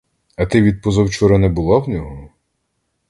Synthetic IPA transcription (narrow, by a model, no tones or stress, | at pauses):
ɐt̪ɪʋʲid̪̚pɔzɐwt͡ʃɔɾɛnɛbʊlˠɑwnʲɔɦɔ